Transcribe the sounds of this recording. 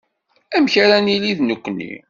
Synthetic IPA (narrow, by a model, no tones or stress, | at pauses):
æmçaɾæniliðnəkʷːnːḭ